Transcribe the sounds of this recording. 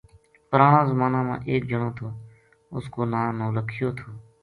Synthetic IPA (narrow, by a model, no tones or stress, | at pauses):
pəɾaːɽãːzəmaːnãːmã̰ːʔeːk̚d͡ʒəɳ̃oːt̪ʰoː | ʊskoːnãːnoːləkʰɪjoːt̪ʰoː